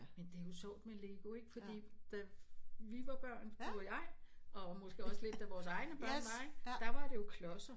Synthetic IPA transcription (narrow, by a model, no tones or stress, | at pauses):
mend̥e̝æjo̝sɒ̰ːd̥mele̝ːɡ̥o̝e̝ɡ̥fɒ̽d̥ḭːd̥æʋiʋɑ̈b̥ɶɐ̰n̥oɐjɑ̈ɪɒ̽mɔ̽sɡ̥e̝ɒ̽sle̝d̥æʋɒːsɑ̈ɪnəb̥ɶ̰nʋɑ̈eɡ̥d̥ɑʋɑ̈ɾ̥e̝jo̝kʰlɒ̽sɐ